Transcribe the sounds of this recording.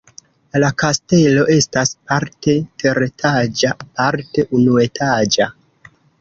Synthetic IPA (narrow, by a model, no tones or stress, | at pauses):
lakaste̞lo̞ʔe̞staspaɾte̞tʰe̞ɾetʰad͡ʒapaɾte̞ʔunue̞tʰad͡ʒa